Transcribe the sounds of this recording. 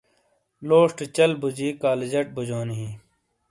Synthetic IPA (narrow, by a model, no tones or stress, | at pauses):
loːʂʈt͡ɕɐlbud͡ʑiːkaːled͡ʑɐʈ̚bud͡ʑoːniɦĩ